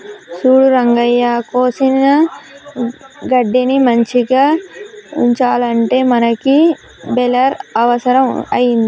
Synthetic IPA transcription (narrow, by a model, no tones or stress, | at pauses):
suːɽuɾɐŋɡɐjːaːkoːsinɐ | ɡɐɖːinimɐɲt͡ʃiɡaːṵɲt͡ʃaːlɐɳʈe̞ːmɐnɐki | bɛlɐɾɐʋɐsɐɾɐmɐ̰jind̪i